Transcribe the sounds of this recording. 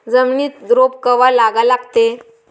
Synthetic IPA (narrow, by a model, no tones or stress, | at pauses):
d͡zəmɳiːt̪d̪ɾop̚kəʋalaɡalaɡt̪e